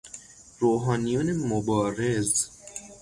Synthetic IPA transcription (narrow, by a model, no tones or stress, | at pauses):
ɾoːɦɑːnijunemobɒːɾez